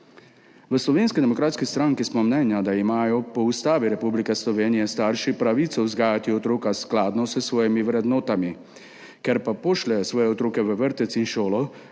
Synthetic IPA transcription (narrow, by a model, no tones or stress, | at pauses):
ʋəslɔʋeːnskid̪ɛmɔkɾaːt̪skist̪ɾaŋkismɔmnɛːnjad̪aimaːjɔpɔust̪aːʋiɾɛpublikɛslɔʋeːnijɛst̪aːɾʃipɾaʋiːt̪sɔuzɡaːjat̪iɔt̪ɾoːkasklaːd̪nɔsəsʋɔːjimiʋɾɛd̪nɔːt̪ami | kɛɾpapɔʃlɛsʋɔːjɛɔt̪ɾoːkɛʋəʋəɾt̪ɛt̪sinʃoːlɔ